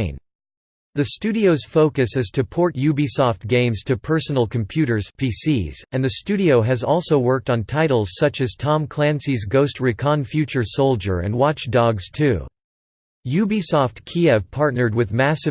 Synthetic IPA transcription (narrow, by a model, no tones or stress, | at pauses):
n | ðɨstʉɾioʊz̥foʊkɨshɨz̥tʰɨpʰɔɹtjʉbisɔft̚ɡ̥ẽɪ̃mz̥tʰɨpʰɜ˞sn̩l̩ˠkʰm̩pʰj̥ʉɾə˞z̥pʰisiz̥ɨ̃nðɨstʉɾioʊɨzɔlˠsoʊwɜ˞k̚tn̩tʰaɪɾl̩ˠz̥sʌt͡ʃɨz̥tʰɑ̃mkʰl̥æ̃nsizɡoʊstɹɪkʰɑ̃nfjʉt͡ʃə˞soʊlˠd͡ʒə̰˞ɨ̰̃nwɑt͡ʃd̥ɔɡz̥tʰʉ | jʉbisɔftkʰiɛv̥pʰɑɹtⁿnə˞d̚wɨðmæsɨ